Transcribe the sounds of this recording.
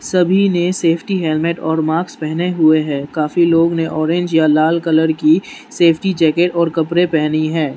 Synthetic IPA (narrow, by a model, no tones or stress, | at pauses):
sɐbʱineseːpʰʈiɦɛːlmeːʈɔːɾmaːkspɛɦneɦʊeɦɛ̃ːkaːfiloːɡneʔɔːɾẽːɲd͡ʒjalaːlkɐləɾki | seːpʰʈid͡ʒɛːkeːʈɔːɾkɐpɾepɛɦniɦɛ̃ː